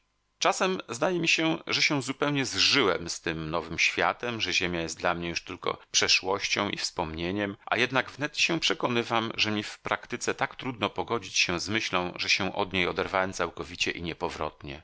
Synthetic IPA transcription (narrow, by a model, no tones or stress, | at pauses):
t͡ʂasɛmzd̪ajɛmʲiɕɛʐɛɕɛw̃zupɛwɲɛzʐɘwɛ̰mst̪ɘmnɔvɘmɕfʲja̰t̪ɛmʐɛʑemʲjajɛst̪d̪lamɲɛjuʂt̪ɘlkɔ̰pʂɛʂwɔɕt͡ɕɔ̃w̃ʔḭfspɔmɲeɲɛmʔa̰jɛd̪naɡvnɛt̪ɕɛ̃pʂɛkɔnɘvamʐɛmʲifpɾakt̪ɘt̪sɛt̪akt̪ɾud̪nɔpɔɡɔd͡ʑit͡ɕɕɛ̃zmɘɕlɔ̃w̃ʐɛɕɛ̃ʔɔ̰d̪ɲejɔd̪ɛɾvawɛmt̪sawkɔvʲit͡ɕɛʔiɲɛpɔvɾɔ̰t̪ɲɛ